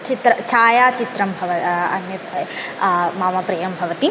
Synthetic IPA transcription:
t͡ʃit̪ɾɐt͡ʃʰaːjaːt͡ʃit̪ɾɐmbʱɐʋɐɐ̰njɐt | maːmapɾɐːjɐmbʱɐʋɐt̪i

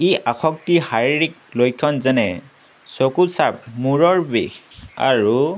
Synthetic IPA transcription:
iʔaxɔk̚tihaɹiɹik̚lojkʰːɔnzɛnɛ | sokusap̚muɹɔɹbḛxa̰ɹu

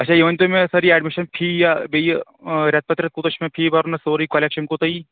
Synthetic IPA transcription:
ɐtːt͡ʃʰaːjiʋɐnt̪omẽsɐɾiɛːɖmiʃɐnpʰiːjabej | ɾʲɐt̪̚pɐt̪ɾɐt̪̚kuːt̪ɐʃmẽpʰiːbɐɾnɐsoːɾikoleːkʃɐnkot̪ɐi

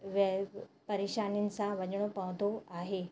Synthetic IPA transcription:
ʋepəɾeɕanint͡saʋəd͡ʑɳopaʋt̪oaɦe

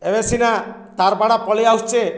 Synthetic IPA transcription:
ebesina | t̪aɾbaɽapɔɭiaɦt͡ʃe

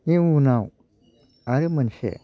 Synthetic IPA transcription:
niunaw | aɾemənʃḛ

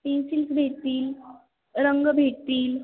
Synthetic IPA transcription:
tĩsilsbʱet̪iːl | ɾəŋɡbʱet̪iːl

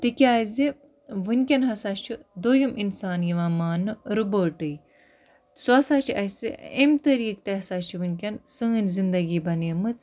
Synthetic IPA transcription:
t̪ikʲaːzi | ʋɨnʲkʲɐnɦɐsat͡ʃʰid̪ojumʔinsaːnjiʋamaːnɨɾuboʈɨj | sɐsaːt͡ʃʰiʔɐjsḭemt̪ɐɾiːk̚t̪eɦɐsaːt͡ʃʰiʋɨnʲkʲɐnsɨŋɨnʲzind̪ɐɡiːbɐnjɐmɨt͡s

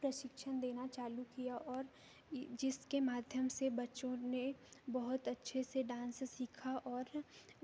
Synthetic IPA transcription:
pɾɐʃɪkʃənd̪eːnat͡ʃaːlukijaʔɔːɾ | d͡ʒɪskemaːd̪ʱjəmsebɐtːʃõnebɐɦʊt̪ɐtːʃʰeseɖãːnssiːkʰaʔɔːɾ

